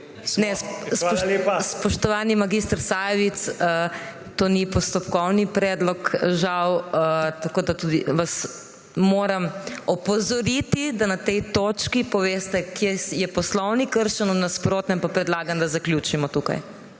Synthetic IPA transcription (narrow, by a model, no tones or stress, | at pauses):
nɛssspɔʃt̪ɔʋaːnimaɡist̪əɾsaːjɛʋit̪sə | t̪oːnipɔst̪ɔpkɔwnipɾɛːd̪lɔkʒawət̪ɐkoːd̪at̪ud̪iʋas | moːɾɐmɔpɔzɔɾit̪id̪anat̪ɛjt̪oːt͡ʃkipɔʋeːst̪ɛkjejɛpɔslɔwnikəɾʃɛnɔnaspɾoːt̪nɛmpapɾɛd̪laːɡand̪ɐzɐkljuːt͡ʃimɔt̪uka̰j